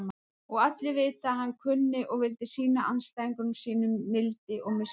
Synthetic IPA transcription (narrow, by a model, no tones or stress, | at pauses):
ɔɣat̪lɪvɪːt̪aːhanːkʰʏnːɪʔɔɣvɪlt̪ɪsiːnaʔanst̪aːiŋkʏnmsiːnʏmːɪlt̪ɪʔɔɣmɪs